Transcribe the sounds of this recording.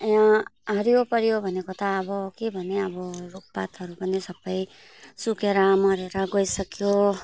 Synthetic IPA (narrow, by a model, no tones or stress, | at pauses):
jãɦʌɾjopʌɾjobʱʌnekot̪ʰaːbʌkebʱʌneʌbʌɾuk̚pat̪ɦʌɾupʌnisʌbːʌj | sukeɾʌmʌɾeɾʌɡʌjsʌkjo